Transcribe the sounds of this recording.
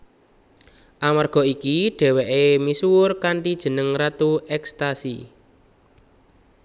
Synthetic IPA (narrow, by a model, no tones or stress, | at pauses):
ʔamarɡ̥ɔ̤ikiɖ̥ɛ̤wɛʔemisuʊrkaɳʈid̥ʒ̥ə̤nəŋrat̪uɛkst̪asḭ